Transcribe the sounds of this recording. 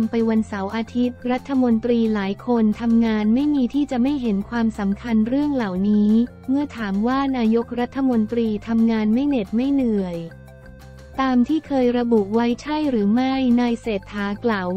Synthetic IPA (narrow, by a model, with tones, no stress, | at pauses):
mpa˧jwa˧nsa˩˦wʔaː˧t̪ʰi˦˥t̪̚ɾa˦˥t̪ʰːa˧mo˧nt̪ɾiː˧laː˩˦jkʰo˧nt̪ʰa˧mŋaː˧nma˥˩jmiː˧t̪ʰiː˥˩t͡ɕa˨˩ʔma˥˩jɦe˩˦nkʰwaː˧msa˩˦mkʰa˧nɾɯ˥˩əŋla˨˩wniː˦˥ | mɯ˧˥t̪ʰaː˩˦mwaː˥˩naː˧jo˦˥k̚ɾa˦˥t̪ʰːa˧mo˧nt̪ɾiː˧t̪ʰa˧mŋaː˧nma˥˩jne˨˩t̪̚ma˥˩jnɯ˨˩əj | t̪aː˧mt̪ʰiː˥˩kʰɤː˧jɾa˧bu˨˩ʔwa˦˥jt͡ɕʰa˥˩jɾɯː˩˦ma˥˩jnaː˧jseː˨˩t̪ʰːaː˩˦klaː˨˩w